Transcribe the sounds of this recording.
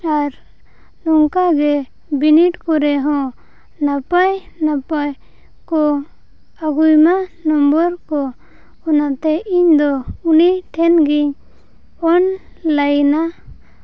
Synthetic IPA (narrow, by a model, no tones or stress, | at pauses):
aɾ | nɔŋkaɡɛ | biniʈkɔɾɛɦɔ̃ | napajnapaj | kɔ | aɡujmanɔmbɔɾkɔ | ɔnat̪ɛʔiɲd̪ɔuniʈʰɛnɡiɲ | ɔn | ləjna